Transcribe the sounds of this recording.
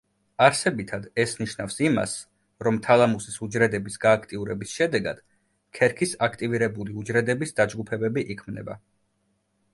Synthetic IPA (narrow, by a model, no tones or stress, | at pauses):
aɾsɛbit̪ʰad̪ɛsniʃnafsima̰s | ɾɔmt̪ʰalˠamusisud͡ʒɾɛd̪ɛbisɡaːkʰt̪ʼiuɾɛbisʃɛd̪ɛɡa̰d̪̥ | kʰɛɾkʰisakʰt̪ʼiviɾɛbuliud͡ʒɾɛd̪ɛbisd̪ad͡ʒɡupʰɛbɛbiʔikʰmnɛ̰ba̰